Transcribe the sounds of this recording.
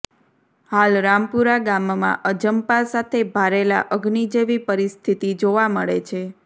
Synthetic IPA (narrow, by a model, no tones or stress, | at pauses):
halɾampuɾaɡammã̰ʔəd͡ʒəmpasat̪ʰebʱaɾela̰ʔəɡnid͡ʒeʋipəɾist̪ʰit̪id͡ʒoʋaməɭet͡ʃʰe